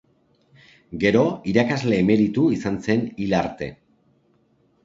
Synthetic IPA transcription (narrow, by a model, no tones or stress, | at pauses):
ɡe̞ɾo̞iɾakazle̞ːme̞ɾit̪uisanse̞nilaɾt̪e̞̰